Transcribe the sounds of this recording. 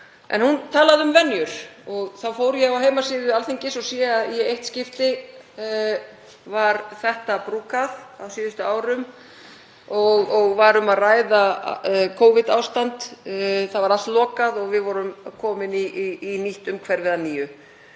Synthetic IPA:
ʔɛ̰nhunt̪ʰaːlaðʏmvɛnːjʏɾ̥ɔɣθawfowɾjɛɣawɦejmasɪːðʏalθiɲcɪsɔsɛaðjɛejht̪scɪft̪ɪ | vaɾθɛht̪apɾuːkaðawsiːðʏst̪ʏaːwɾʏm | ɔɣɔɣvaɾʏmaðraːjðakʰoːwvɪt̪aːwst̪ant̪θavaɾal̥t̪lɔːkaðɔɣvɪðvɔɾʏmkʰɔːmɪniːniht̪ʏmkʰvɛɾvɪðaniːjʏ

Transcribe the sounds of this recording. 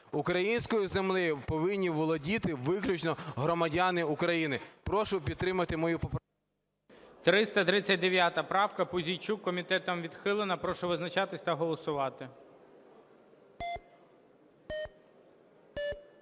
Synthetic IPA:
ukɾɐjinʲsʲkɔjizemlˠɪjʊpɔʋɪnʲːiʋɔlˠɐdʲit̪ɪʋɪklʲut͡ʃnɔɦɾɔmɐdʲanɪukɾɐjinɪpɾɔʃʊpʲid̪̚t̪ːɾɪmɐt̪ɪmɔjupɔp | t̪ɾɪst̪ɐt̪ɾɪt͡sʲɐt̚ʲd̪eʋʲjat̪ɐpɾɑwkɐpʊzʲijt͡ʃukːɔmʲit̪ɛt̪ɐmʋʲid̪xɪlˠɪnɐpɾɔʃʊʋɪznɐt͡ʃɑt̪ɪsʲt̪ɐɦɔlˠɔsʊʋɑt̪ɪ

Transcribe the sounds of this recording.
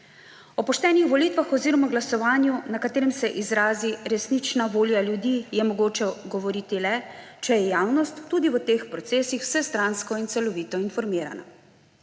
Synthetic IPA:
ɔpɔʃt̪ɛːnixʋɔliːt̪ʋaxɔziːɾɔmaɡlasɔʋaːnjunakat̪eːɾɛmsɛʔizɾaːziɾɛsnit͡ʃnaʋoːljaljud̪iːjɛmɔɡoːt͡ʃɛɡɔʋɔɾiːt̪ilɛ | t͡ʃɛjɛjaːwnɔst̪ːud̪iʋət̪eːxpɾɔt̪seːsixw̥sɛst̪ɾaːnskɔint̪sɛlɔʋiːt̪ɔinfɔɾmiːɾa̰na̰

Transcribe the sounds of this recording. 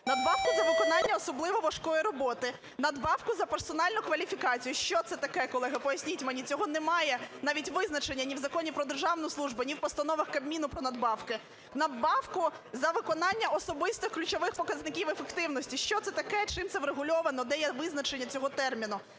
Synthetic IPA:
nɐd̪bɑwkʊzɐʋɪkɔnɑnʲːɐɔsɔblˠɪʋɔʋɐʃkɔjiɾɔbɔt̪ɪ | nɐd̪bɑwkʊzɐprsɔnɑlʲnʊkʋɐlʲifʲikɑt͡sʲijʊʃt͡ʃɔt̪sɛt̪ɐkɛkɔlˠɛɦɐpɔjɐsʲnʲitʲmɛnʲit͡sʲɔɦɔnɛmɑjɛnɑʋʲitʲʋɪznɐt͡ʃenʲːɐnʲiwzɐkɔnʲipɾɔd̪erʒɑʋnɔjsˠuʒbʊnʲiwpɔst̪ɐnɔʋɐxkɐbmʲinʊpɾɔnɐd̪bɑwkɪ | nɐd̪bɑwkʊ | zɐʋɪkɔnɑnʲːɐɔsɔbɪst̪ɪxklʲʉt͡ʃɔʋɪxpɔkɐznɪkʲiwefekt̪ɪwnɔsʲtʲiʃt͡ʃɔt̪sɛt̪ɐkɛt͡ʃɪmtsɛʋɾeɦʊlʲɔʋɐnɔd̪ɛjɛʋɪznɐt͡ʃenʲːɐt͡sʲɔɦɔt̪ɛrmʲinʊ

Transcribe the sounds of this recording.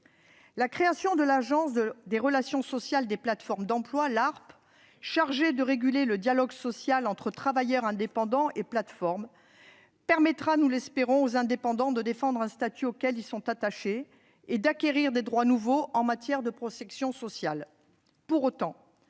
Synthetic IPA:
lakχeasjɔ̃d̪əlaʒɑ̃sd̪eʁəlasjɔ̃sɔsjald̪eplat̪fɔʁmd̪ɑ̃plwalaʁp | ʃaʁʒed̪əʁeɡʲyleləd̪jalɔɡsɔsjalɑ̃t̪χət̪χavajœʁɛ̃d̪epɑ̃d̪ɑ̃ʔeplat̪fɔʁm | pɛʁmɛt̪χanulɛspeʁɔ̃ozɛ̃d̪epɑ̃d̪ɑ̃d̪əd̪efɑ̃d̪ʁɛ̃st̪at̪yokʲɛlilsɔ̃t̪at̪aʃe | ed̪akʲeʁiʁd̪ed̪ʁwanuvoʔɑ̃mat̪jɛʁd̪əpχɔsɛksjɔ̃sɔsjal | puʁot̪ɑ̃

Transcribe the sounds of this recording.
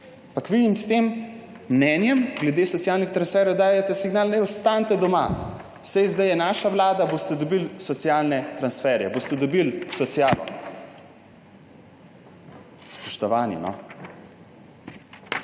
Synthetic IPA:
pakʋid̪imst̪eːmː | nɛːnjɛmɡlɛd̪eːsɔt̪sijaːlnixt̪ɾansfɛːɾjɛwd̪aːjɛt̪ɛsiɡnaːlnɛjɔst̪ant̪ɛd̪ɔma̰ | sɛjzd̪ajɛnaːʃaʋlaːd̪aboːst̪ɛd̪ɔbilsɔt̪sijalnɛt̪ɾansfɛːɾjɛ̰boːst̪ɛd̪ɔbilsɔt̪sijaːlɔ̰ | spɔ̥ʃt̪ɔʋaːnḭnɔ̰

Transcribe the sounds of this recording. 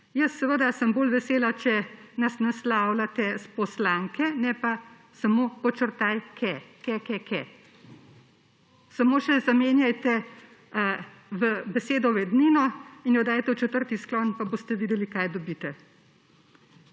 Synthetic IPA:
jəsːɛʋəd̪asəmboːlʋɛseːlat͡ʃɛnasnaslaːwlat̪ɛspɔslaŋkɛnɛpa | samoːpɔt͡ʃəɾt̪ajkʰɛkɛkɛkʰɛ | samoːʃɛzameːnjajt̪ɛ | ʋəbɛseːd̪ɔʋɛd̪ninɔinjɔd̪aːjt̪ɛwt͡ʃɛt̪əɾt̪isklɔnpaboːst̪ɛʋiːd̪ɛlikajd̪ɔbiːt̪ɛ

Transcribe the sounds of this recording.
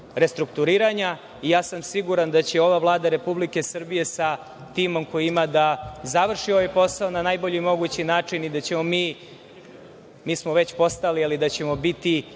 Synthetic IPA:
ɾe̞st̪ɾukt̪uɾiːɾaɲa | ijaːsamsiɡuɾand̪at͡ɕeo̞ʋavlˠaːd̪aɾe̞publike̞sr̩bije̞sa | t̪iːmo̞mko̞jiimad̪azaʋr̩ʃio̞ʋajpo̞saonanajbo̞ʎiimo̞ɡut͡ɕinaːt͡ʂinid̪at͡ɕe̞mo̞miː | miːsmoʋe̞t͡ɕpo̞st̪alialid̪at͡ɕe̞mo̞bit̪i

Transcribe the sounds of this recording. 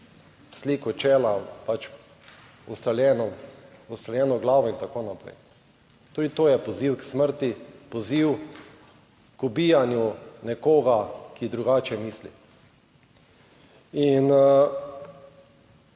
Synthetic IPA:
sliːkɔt͡ʃɛːlapat͡ʃ | ust̪aljɛːnɔmʊst̪aljɛːnɔɡlaːʋɔint̪akonapɾɛ̰j | t̪uːd̪it̪oːjɛpɔziwksməɾt̪ipɔziw | kubiːjanjunɛkoːɡakid̪ɾuɡaːt͡ʃɛmiːslḭ | in

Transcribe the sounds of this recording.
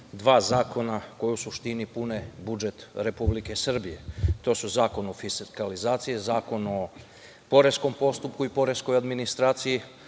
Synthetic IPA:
d̪ʋaːzaːko̞nako̞jusuʃt̪inipune̞bud͡ʒe̞t̪ɾe̞publike̞sr̩bije̞t̪o̞ːsuzaːko̞nofiskalizaːt̪sijezaːko̞no | po̞ɾe̞sko̞mpo̞st̪upkuipo̞ɾe̞sko̞jad̪minist̪ɾaːt̪siji

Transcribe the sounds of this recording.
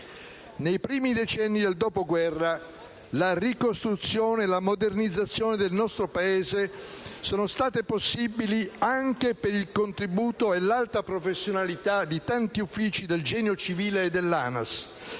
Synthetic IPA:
nejpɾiːmid̪et͡ʃɛnːid̪eld̪ɔːpoɡwɛrːa | larikost̪ɾut̪sːjoːnelamod̪ernid̪zːat̪sːjoːned̪elnɔst̪ɾopaeːzesoːnost̪aːt̪eposːibiliaŋk̟epeɾilkont̪ɾibuːt̪oelalt̪apɾofesːjonalit̪ad̪it̪ant̪iufːiːt͡ʃid̪eld͡ʒɛːnjot͡ʃiviːleːd̪elːa̰na̰s

